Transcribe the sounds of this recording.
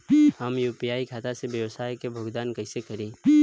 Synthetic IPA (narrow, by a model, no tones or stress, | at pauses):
həmjuːpiaːikʰaːt̪asebjəʋsaːjkebʱʊɡd̪aːnkɐɪsekɐɾẽː